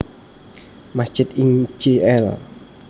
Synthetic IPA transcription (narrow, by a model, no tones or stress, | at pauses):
mast͡ʃɪt̪iŋd͡ʒeɛl